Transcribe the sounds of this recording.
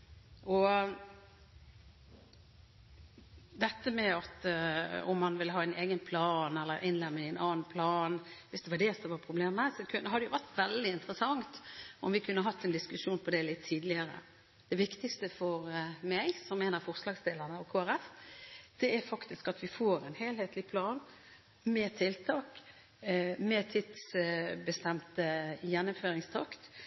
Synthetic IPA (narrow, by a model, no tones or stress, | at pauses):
ɔ | d̪ɛt̪ːəmɛɑt̪ | ɔ̰mːɑnʋɪlːəɦɑːɛɪneːɡənpʰlɑːnɛlːəɾʔɪnlɛmːɪŋɪɛɪnɑːnpʰlɑːnʋɪsd̪ɛʋɑɖɛsɔʋɑpʰɾʊbleːməsɔkʰʉnəɦɑd̪ɛjʊʋæɾt̪ʋɛld̪ɪɪnt̪əɾəsɑŋt̪ɔmʋɪkʰʉnːəɦɑt̪ːɛnd̪ɪskʉʂuːnpʰɔd̪ɛlɪt̪ʰːiːd̪lɪəɾə̰ | d̪̥ɛʋɪkt̪ɪkst̪əfɔɾmæɡsɔmːeːnəɾfɔʁslɑːɡsd̪eːlənəɔkʰoːæɾɛfd̪̥ɛæɾfɑkt̪ɪskɑt̪ʋɪfoːɾɛnheːlheːt̪lɪpʰlɑːn | mɛt̪ʰɪlt̪ʰɑːk | mɛt̪ʰɪt̪sbəst̪ɛmt̪əjɛnːʊmføːɾɪŋst̪ʰɑkt̪